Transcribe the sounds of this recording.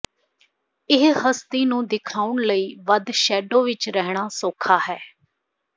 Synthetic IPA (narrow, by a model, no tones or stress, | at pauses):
ɪɦhəst̪iːnũːd̪ɪkʰaːʊɳləiːʋəd̪ʃɛːɖõːʋɪt͡ʃɾɛɦɳ̃aːsoːkʰaːɦɛː